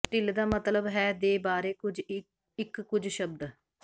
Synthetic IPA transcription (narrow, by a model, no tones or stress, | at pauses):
ʈɪld̪aːmət̪ləbɦɛːd̪eːbaːɾeːkʊd͡ʒ | ɪkːʊd͡ʒʃəb̚d̪